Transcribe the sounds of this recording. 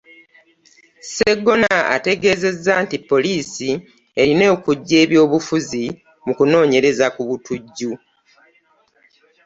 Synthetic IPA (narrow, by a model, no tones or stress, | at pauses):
se̞ɡːo̞naa̰te̞ɡe̞ːze̞zːaːntipːo̞liːsi | e̞ɾine̞ːkuɟːe̞ːβjo̞ːβufuzi | mukuno̞ːɲe̞ɾe̞zakuβutuɟːu